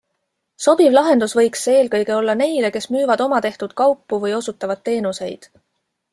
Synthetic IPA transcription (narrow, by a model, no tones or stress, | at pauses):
so̞b̥ivlɑɦe̞nd̪̥usvɤ̞jkse̞ːlkɤjɡe̞o̞lːɑne̞jle̞ke̞smyːvɑd̪o̞mɑt̪e̞ht̪ud̪̥̚kɑwpːuvɤjo̞sut̪ːˑɑvɑd̪̚tːe̞ːnuse̞jd̪̥